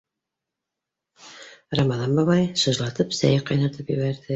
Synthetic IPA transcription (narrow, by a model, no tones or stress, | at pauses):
rɑmɑðɑmbɑβɑjʃɤ̆ʒlˠɑt̪ɤpsæ̰jqɑjnɤ̆ɾt̪ɤpjɘ̆βæɾðɘ